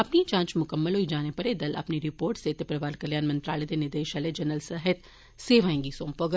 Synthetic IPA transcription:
ɐpnit͡ʃãːt͡ʃmʊkəmːəlɦoid͡ʒaːnepɐɾed̪ɐlɐ̰pniɾɪpoːɾʈseːt̪epɾɐʋaːlkɐljaːnmɐ̃nt̪ɾa̰ːled̪enɪɾd̪eːʃɐled͡ʒɐnəlsəɦət̪ | seːʋaːẽːŋɡisõːmpoɡ

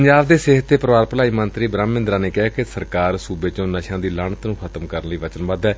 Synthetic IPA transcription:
əɲd͡ʒaːbd̪eːseːɦət̪ːeːpəɾəʋaːɾpəlaːiːmənt̪ɾiːbɾãːmːɪ̃nd̪ɾãːneːkɛɦaːkesəɾkaːɾsuːbeːt͡ʃõːnəʃãːd̪iːlaːɳət̪nũːxʰət̪əmkəɾənliːʋət͡ʃənbəd̪ɛː

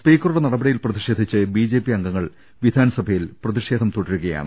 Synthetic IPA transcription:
spiːkːɐɾuɽenɐɽɐbɐɽijilprɐðiʂe̞ːd̪ʱit͡ɕːɨbiːd͡ʑe̞ːpːiɐŋɡɐŋːɐɭ | ʋid̪ʱaːnɐsɐbʱɐjilprɐðiʂe̞ːd̪ʱɐmt̪uɽiɾukɐja̰ːɳɨ̰

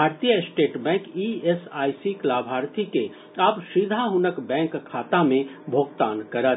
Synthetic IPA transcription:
bʱaːɾt̪ijəsʈeːʈbɛ̃ːŋkiesaːisiklaːbʱaːɾt̪ʰike | abʃiːd̪ʱaɦʊnəkbɛ̃ːŋkkʰːaːt̪amẽbʱoːɡt̪aːnkɐɾət̪

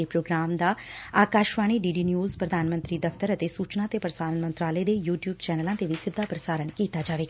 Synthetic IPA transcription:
epɾoːɡɾaːmd̪aːaːkaːʃʋaːɽ̃iːɖiːɖiːnjuːzpɾəd̪ʱaːnmənt̪ɾiːd̪ɐft̪əɾət̪esuːt͡ʃnãt̪epɾəsaːɾənmə̃nt̪ɾaːləed̪ejuːʈjuːbt͡ʃɛːnəlãːt̪eʋisɪd̪ʱːapɾəsaːɾəɳkiːt̪ad͡ʒaːʋeːɡa

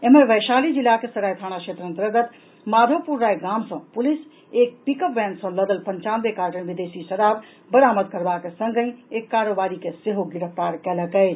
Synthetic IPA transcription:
eɦmebəjʃalid͡ʒilːakesəɾajt̪ʰañakʃʰet̪ɾə̃nt̪ɾəɡət̪ | mad̪ʱopuɾːajɡamsə̃pulis | ek̚pikəpbɛ̃nsə̃ləd̪əlpənt͡ʃanbekaɾʈənbid̪esisəɾab | bəɾaməd̪̚kəɾbakesə̃ŋɡə̃ekːaɾobaɾikeseɦoɡiɾəp̚ʰt̪aɾkɛləkɛɪt͡ʃ

